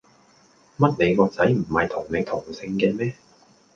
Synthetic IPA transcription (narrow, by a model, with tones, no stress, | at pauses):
mɐ˥t̚ne˨˧jkɔː˧t͡sɐ˨˥jm̩˨˩hɐ˨jt̪ʰʊ˨˩ŋne˨˧jt̪ʰʊ˨˩ŋsɪ˧ŋkɛː˧mɛː˥